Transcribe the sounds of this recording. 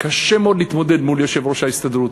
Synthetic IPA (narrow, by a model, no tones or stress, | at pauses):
kaʃemeod̪liit̪mo̞ded̪muljoʃevʁoʃaist̪ad̪ɾut̪